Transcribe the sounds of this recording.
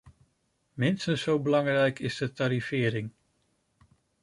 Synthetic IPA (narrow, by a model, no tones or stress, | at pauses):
mɪnstənsowbəlɑŋrɛjkʰɪzdətaɾifɪːɾɪŋ